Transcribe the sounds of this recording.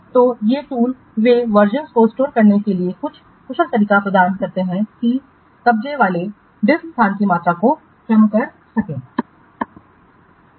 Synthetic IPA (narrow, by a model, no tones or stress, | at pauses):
t̪oːjeʈuːl | ʋeʋɐɾd͡ʒə̃nskoɪsʈoːɾkɐɾnekeliekʊt͡ʃʰ | kʊʃəlt̪ɐɾiːkapɾɐd̪aːɾənkɐɾt̪eɦɛ̃ki | kɐb̚d͡ʒeʋaːle | ɖɪsst̪ʰaːnkimaːt̪ɾako | kɾɐmkɐɾ | sɐkẽː